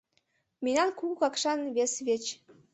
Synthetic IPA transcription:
mʲinʲɑnkukɑkʃɑnβesβet͡ɕ

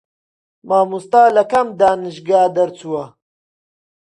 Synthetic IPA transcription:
maːmust̪aːlɐkɐmd̪aːnɨʃɡaːd̪ɐɾt͡suːɐ

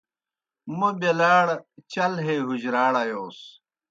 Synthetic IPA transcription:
mubelaːɽt͡ɕɐlɦeːɦud͡ʑɾaːɽɐjoːs

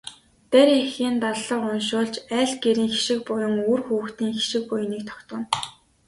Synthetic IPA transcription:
t̪æɾexiːnt̪aɮɮə̆qʊnʃʊːɮt͡ɕæːɮɡeɾiːŋxi̥ʃɪ̆k̚pʊjʊ̆ŋurxuːxt̪iːŋxi̥ʃɪ̆k̚pʊj̆niːk̚t̪ʰɔ̥kt̪ʊ̆n

